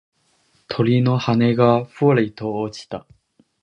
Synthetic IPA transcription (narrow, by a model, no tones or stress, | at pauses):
t̪ʰo̞ɾʲino̞hane̞ɡaɸɯoɾait̪oːt͡ɕi̥t̪a